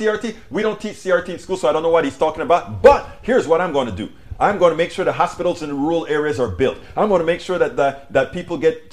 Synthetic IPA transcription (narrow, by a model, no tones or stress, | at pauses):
iɑɹtʰi | wiɾõʊ̃ntʰit͡ʃsiɑɹtʰiɨ̃nskulˠsoʊaɪɾõʊnːoʊwʌt̚hiz̥tʰɔkɪ̃ŋəbaʊt̚b̥ʌt̚hiɹzwʌɾãɪ̃mɡoʊɪ̃ntʰɨdɨ̰ | ãɪ̃mɡoʊɪ̃nʰəɨmeɪkʃʊɹðəɦɑspɪɾl̩ˠzɨ̃nɹul̩ˠɛɹiɨzə˞bɪlˠtãɪ̃mɡõnəmeɪkʃʊɹðɨt̪̚ðəðɨt̚pipl̩ˠɡɛt